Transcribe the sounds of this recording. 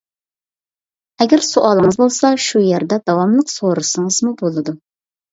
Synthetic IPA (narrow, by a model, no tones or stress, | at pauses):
ɛɡʲæɾsoʔɑlˠəŋɨzbolˠsɑʃujæɾd̪ɛd̪ɑwɑmlˠəqsoɾɨsɨŋɨzmubolˠɨd̪u